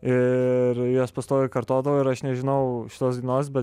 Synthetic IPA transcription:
ɪɾjoːspɐst̪oːjokɐɾt̪oːd̪ɐʋoːɪɾɐʃnʲɛʒʲɪnɐʊʃʲɪ̥t̪oːsɡ̪ʲinoːsbʲɛt̪

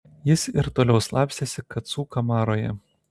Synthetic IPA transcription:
jɪsɪɾt̪oːlʲɛʊslˠɑːˑpʲsʲt̪ʲeːsʲɪkɐt̪suːkɐmɑːɾoːjɛ̰

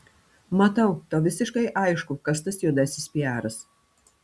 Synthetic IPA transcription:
mɐt̪ɐʊt̪oːʋʲɪsʲɪʃkɐɪʔɐɪʃkʊkɐst̪ɐsjʊd̪ɐsʲɪsʲpʲijæːɾɐs

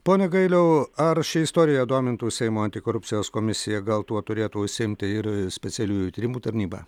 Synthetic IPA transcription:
poːnʲɛɡɐɪlʲɛʊɐɾʃʲɪɪst̪oːɾʲɪjɛd̪oːmʲɪnt̪uːsʲɛɪmoːɐnʲt̪ʲɪkoːɾʊpʲt͡ssʲɪjoːskoːmʲɪsʲɪjɛɡɐlˠt̪uɔt̪ʊɾʲeːt̪uːʊʃʲsʲɪɪmʲt̪ʲɪɪɾsʲpʲɛsʲɛlʲuːjut̪ʲiːɾʲɪmuːt̪ɐɾʲnʲiːbɑ̰

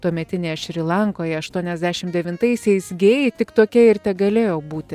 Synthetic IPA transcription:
t̪oɔmʲɛt̪ʲɪnʲeːjɛʃʲɾʲɪlˠɑŋkoːjɛɐʃt̪uɔnʲɛzʲd̪ʲæʃʲɪmd̪ʲɛʋʲɪnt̪ɐɪsʲɛɪsɡʲeːjet̪ʲɪkt̪oːkʲɛɪɾt̪ʲɛɡɐlʲeːjoːbuːt̪ʲɪ

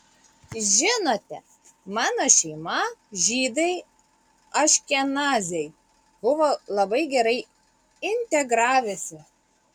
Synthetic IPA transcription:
ʒʲɪnoːt̪ʲɛ | mɑːnoːʃʲɛɪmɐʒʲiːd̪ɐɪ | ɐʃʲkʲɛnɑːzʲɛɪ | bʊʋolˠɐbɐɪɡʲɛɾɐɪ | ɪnʲt̪ʲɛɡɾɑːʋʲɛsʲɪ

